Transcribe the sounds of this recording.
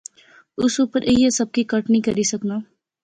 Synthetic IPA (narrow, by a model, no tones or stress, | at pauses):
ʊsuːpəɾʔeesɐb̚kikɐʈnĩkɐɾisɐknaː